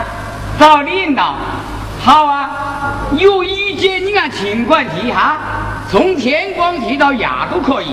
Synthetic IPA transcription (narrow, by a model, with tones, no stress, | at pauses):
t̪a˥˧˩ʊli˥˧nt̪ɑ˨˩ʊ | ha˧˩ʊwa˧ | jo˥˧˩i˥˧t͡ɕjɛ˥˧ni˧˥a˧˨t͡ɕʰi˧˥ŋkwa˥˧nt̪ʰi˧˥ɦa˧˥ | t͡sʰʊ˧˥ŋt̪ʰjɛ˧˥nkwɑ˥ŋt̪ʰi˧˥t̪ɑ˥˧˩ʊja̰˨˩t̪o˥˧kʰɔ˥˩ḭ˨